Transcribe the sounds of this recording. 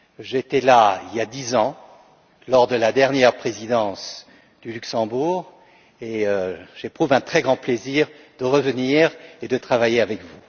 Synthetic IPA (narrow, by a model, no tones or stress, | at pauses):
ʒet̪ɛlailjad̪izɑ̃ | lɔʁd̪əlad̪ɛʁnjɛʁpχezid̪ɑ̃s | d̪̥ylyksɑ̃buːʁ | eøʒ̥epχuvɛ̃t̪χɛɡʁɑ̃pleziʁ | d̪̥əʁəvəniʁed̪ət̪χavajeavɛkvu